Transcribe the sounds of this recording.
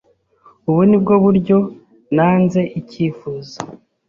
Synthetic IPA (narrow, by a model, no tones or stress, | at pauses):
uβunib̚ɡo̞βuɾɟo̞ | naːnze̞ʔiciːfuzḁ